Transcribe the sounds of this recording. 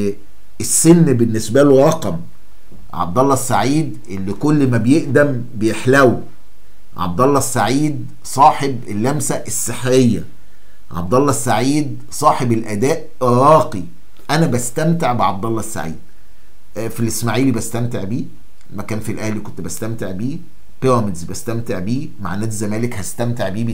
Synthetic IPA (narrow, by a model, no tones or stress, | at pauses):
esːenːbenːesbæluɾɑqɑm | ʕɑ̰b̚d̪ˤɑlːɑsːa̰ʕiːd̪ʔelːikolːmæbejeʔd̪æm | bejeħlæw | ʕɑ̰b̚d̪ˤɑlˤːɑsːaʕiːd̪ | sˤɑːħebelːæmsæʔesːeħɾejːæ | ʕɑ̰b̚d̪ˤɑlˤːɑsːaʕiːd̪ | sˤɑːħebelʔæd̪æːʔ | ɾɑːqi | ʔænæbæst̪æmt̪eʕbeʕɑb̚d̪ɑlˤːɑsːa̰ʕḭːd̪̥̚ | filʔesmaʕiːlibæst̪æmt̪eʕbiː | mækæːnfilʔæhlikont̪bæst̪æmt̪eʕbiː | peɾˤɑmed̪zbæst̪æmt̪eʕbiː | ma̰ʕnːæːt̪zæmæːlekhæst̪æmt̪eʕbiːbi